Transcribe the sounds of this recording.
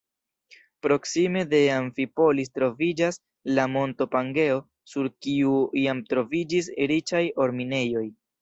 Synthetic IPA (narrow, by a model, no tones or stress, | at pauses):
pɾo̞ksime̞de̞aɱfipo̞lis̬tɾo̞vid͡ʒas | lamo̞nto̞paŋɡe̞o̞ | suɾkiuiamtɾo̞vid͡ʒisɾit͡ʃajo̞ɾmine̞jo̞j